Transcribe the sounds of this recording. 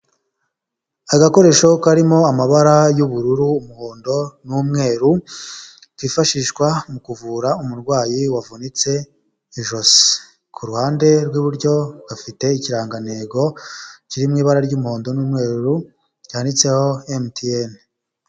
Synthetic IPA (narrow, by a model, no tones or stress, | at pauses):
aɡako̞ɾe̞ʃo̞kaɾimo̞amaβaɾajuβuɾuɾuːmuhoːndo̞nuːmŋe̞ːɾu | kifaʃiʃkwamukuvuːɾaumuɾɡwaːjiwavunit͡se̞ | iʒos | kʰuɾuhaːnde̞ɾɡwiβuɾɟo̞ɡ̥afite̞iciɾaːŋɡaneɡo̞ciɾimŋiːβaɾaɾɟuːmuhoːndo̞nuːmŋe̞ːɾuɾu | ɟahanit͡se̞ho̞emtien